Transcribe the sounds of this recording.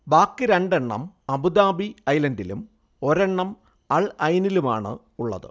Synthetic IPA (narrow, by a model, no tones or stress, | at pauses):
baːkːɨɾeɳɖeɳːɐ̰m | ɐbud̪aːbiɐjlɐndilṵm | o̞ɾeɳːɐm | ɐɭɐjɐniluma̰ːɳɨ̰ | uɭːɐ̰ðɨ̰